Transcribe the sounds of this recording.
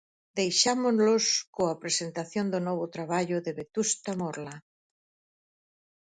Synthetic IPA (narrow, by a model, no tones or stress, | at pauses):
d̪ejʃamʊzloskoapɾesent̪aθjond̪ʊnɔβ̞ʊt̪ɾaβaʎʊðeβet̪ust̪amɔɾla